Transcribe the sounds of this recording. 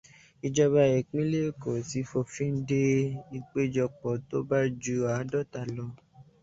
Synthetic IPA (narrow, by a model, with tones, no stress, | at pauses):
i˧d͡ʒɔ˧βa˧ɛ˨k͡pĩ˦le˦˨ko˨si˨˧˦fo˧fĩ˦n̩˦de˦ĩ˧k͡pe˦d͡ʒɔ˧k͡pɔ˨to˦ba˦d͡ʒu˧a˨˦dɔ˦˨ta˨lɔ˧